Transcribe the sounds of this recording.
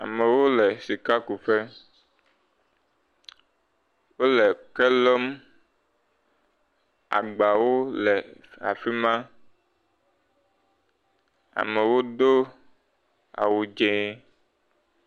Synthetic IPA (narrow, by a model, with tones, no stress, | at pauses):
a̰˨mẽ˨wo˦lɛ˨si˨ka˦ku˨fe˦ | wo˦lɛ˨kɛ˦lɔ˦m | a̰˨ɡ͡ba˨wo˦lɛ˨a̰˨fi˦mã˦ | a̰˨mɛ˨wo˦d̪o˦ | a̰˨wu˨d͡ʒẽ˨˦